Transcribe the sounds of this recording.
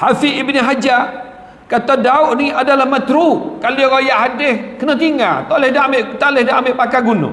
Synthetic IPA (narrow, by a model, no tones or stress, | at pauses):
hafiʔːbniɦad͡ʒa | kat̪adaʊʔniadalahmət̪ɾukalaɾojaʔhadehkənat̪iŋa̰t̪olehdaamɪʔt̪alehdaʔamɪʔpakaɡunʊ̰